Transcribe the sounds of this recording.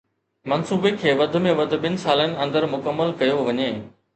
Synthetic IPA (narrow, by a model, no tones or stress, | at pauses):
mɐnsuːbekʰeːʋɐd̪ʱʊ̆mẽʋɐd̪ʱʊ̆ɓɪnɪ̆saːlənɪ̆ɐ̃nd̪əɾmʊkəmːəlkɐjoʋɐɲeː